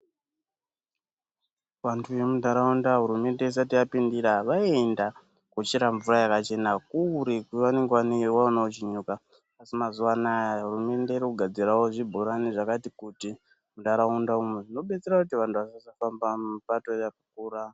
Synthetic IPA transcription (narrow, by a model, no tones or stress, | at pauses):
ʋantʰujemudaɾaundaɦuɾume̞nde̞is̬atijapindiɾaʋaenda | kut͡ʃeɾaɱvurajakat͡ʃe̞nakuɾekuʋane̞ŋɡeʋanewaonaot͡ʃiɲukaː | simazuʋanajaaɦurume̞nde̞iɾikuɡʱad͡zirawo̞ʐibʱoɾaniʐakatikuti | mudaɾaundaumweʐino̞ɓe̞t͡seɾakutiʋantʰuʋasasafambamupato̞jakakuːra